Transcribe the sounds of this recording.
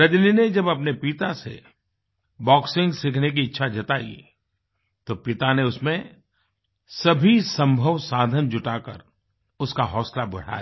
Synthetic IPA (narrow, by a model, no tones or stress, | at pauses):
ɾɐd͡ʒ̪nined͡ʒɐbɐpnepit̪asḛ | bɔːksɪ̃ŋɡsɪkʰnek̬iɪtːʃʰad͡ʒʱɐt̪aːḭ | t̪opɪt̪aneʊsmẽ | sɐbʱisɐ̃mbʱəʋsaːd̪ʱənd͡ʒʊʈaːkə̰ɾ | ʊskaɦɔːslabʊɽ̤a̰ːj